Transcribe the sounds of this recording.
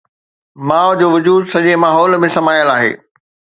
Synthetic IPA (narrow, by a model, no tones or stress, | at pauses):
mãːʋd͡ʑoːʋʊd͡ʑuːd̪sɐʄemaːɦɔːlmẽsɐmaːjəlaːɦḛː